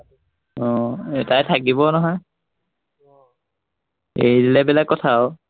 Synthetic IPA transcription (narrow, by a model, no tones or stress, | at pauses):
ɔtajtʰak̬ibɔnɔɦɔj | ḛjdilɛbɛlakːɔtʰaɔ